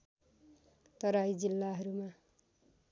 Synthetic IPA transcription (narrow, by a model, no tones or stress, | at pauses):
t̪ʌɾajd͡zilːaɦʌɾuma